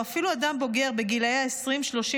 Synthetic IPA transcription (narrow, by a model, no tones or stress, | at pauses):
afiluad̪ambo̞ɡeʁbe̞ɡilajaesʁimʃlo̞ʃi